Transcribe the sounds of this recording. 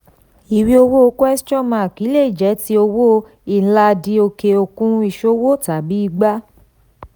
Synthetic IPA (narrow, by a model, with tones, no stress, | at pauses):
i˨wi˧o˧wo˦˧˦kʷo˦ɛ˦st͡ʃɔ̃˦˨mã˨˧˨ki˨˦le˦˨i˦˨d͡ʒɛ˨˦ti˧˦o˧wo˦ | i˧˨n̩˦la˧di˧˦o˧ke˧o˧kũ˦i˧˨ʃo˦wo˦ta˨bi˨˦i˧ɡ͡ba˦